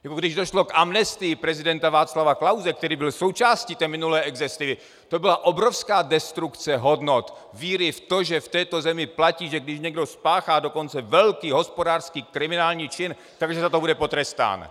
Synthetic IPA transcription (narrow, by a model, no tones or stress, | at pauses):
jakoɡdɪʒdo̞ʃlo̞kʔamnɛst̪ɪjɪpɾɛzɪdɛnt̪avaːt͡slavaklawzɛk̚t̪ɛɾiːbɪlsowt͡ʃaːscit̪ɛːmɪnulɛːʔɛɡzɛst̪ɪvɪ | t̪o̞bɪlaʔo̞bɾofskaːdɛst̪ɾukt͡sɛɦo̞dnot̪viːɾɪft̪o̞ʒɛft̪ɛːt̪o̞zɛmɪplaciːʒɛɡdɪʃɲɛɡdo̞spaːxaːdo̞ko̞nt͡sɛvɛlkiːɦo̞spo̞daːrskiːkɾɪmɪnaːlɲiːt͡ʃɪn | t̪aɡʒɛzat̪obudɛpo̞t̪ɾɛst̪a̰ːn